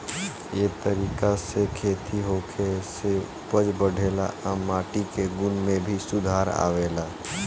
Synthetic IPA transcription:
jet̪əɾiːkasekʰeːt̪ʰiɦokʰese | pəd͡ʒbəɽ̤ʱeːla̰amaːʈikeɡʊnmẽbʱisʊd̪ʱaːɾa̰ːʋeːla

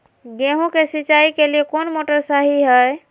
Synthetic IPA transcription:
ɡeɦũkesiːt͡ʃaikeliekonmoʈəɾsaɦiɦɛj

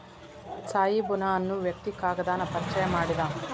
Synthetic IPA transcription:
saːjibunaɐnːuʋjɐk̚t̪ikaːɡɐd̪aːnɐpɐɾɐt͡ʃɐjɐmaːɽid̪a

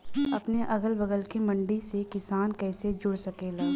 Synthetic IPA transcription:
ɐpneʔɐɡəlbɐɡəlkemɐ̃ɳɖisekɪsaːnkɛːsed͡ʒʊɽsɐkeːlaː

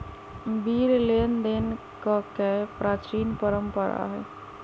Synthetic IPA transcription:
biɾlend̪en | kɔkepɾat͡ʃɾinpəɾəmpəɾa̰ɦɛ

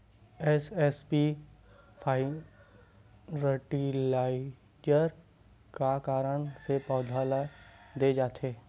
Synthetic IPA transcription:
ɛsɛspi | pʰaːɪ | ɾəʈilaːɪ | d͡ʒəɾ | kakaːɾəɳ̃sepɔːd̪ʱaːlad̪eːd͡ʒaːt̪ʰeː

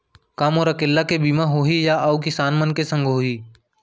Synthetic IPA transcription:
kaːmoːɾəkeːlːakebiːmaɦoːɦijaʔaukɪsaːnmənkesə̃ŋɡʱɦoːɦiː

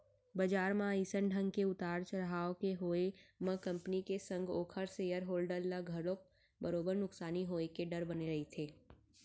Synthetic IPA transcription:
bɐd͡ʒaːɾmãiːsənɖʱə̃ŋɡkeʊt̪aːɾt͡ʃəɾɦaːokeɦoːemɐ̃kɐ̃mpənikesɐ̃ŋɡoːkʰəɾsejəɾɦoːlɖəɾlaɡʱɐɽok̚ | bəɾoːbəɾnʊksaːniɦoːekeɖɐɾbɐneɾɐɦet̪ʰeː

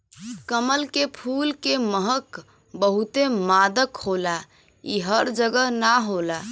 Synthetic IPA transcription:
kəməlkepʰulkeməɦək | bəɦut̪emad̪əkhola | ḭɦəɾd͡ʒəɡəɦnaɦola

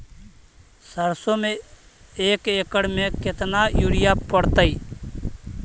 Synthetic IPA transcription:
səɾsõːmẽ | eːkeːkəɽmẽkɪt̪naːjuːɽɪjaːpəɽt̪aːiː

